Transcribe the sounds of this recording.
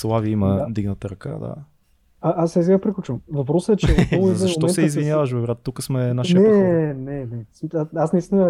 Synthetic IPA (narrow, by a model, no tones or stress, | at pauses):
slˠaviiməd̪iɡnət̪əɾɐka̰d̪a̰ | aʔasɛs̬iɡapɾiklʲut͡ʃəmvɐpɾɔsəɛt͡ʃɛolˠzɐʃʃtomɔɛnsɛizvijavəʃvɐvɾʲat̪t̪ːukəsmɛnaʃinɛnɛnɛsaasnɐist̪inə